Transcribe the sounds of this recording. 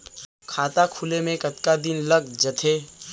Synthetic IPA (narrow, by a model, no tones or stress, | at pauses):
kʰaːt̪akʰʊlemẽkɐt̪kad̪ɪnləɡd͡ʒɐt̪ʰeː